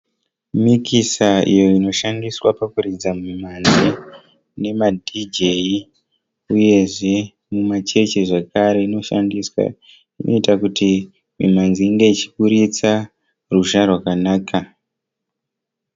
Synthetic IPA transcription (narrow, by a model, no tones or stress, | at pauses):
mikisaḭjo̞ino̞ʃandiswapakuɾid͡zamumimanzi | ne̞madʱid͡ʒe̞i | uje̞ʐe̞ | mumat͡ʃe̞t͡ʃiʐekaɾe̞ino̞ʃa̰ndiswa̰ | ino̞̰itakuti | mḭmand͡ziːŋɡe̞it͡ʃi̥kuɾit͡sa | ruʒarwakanaːkʰa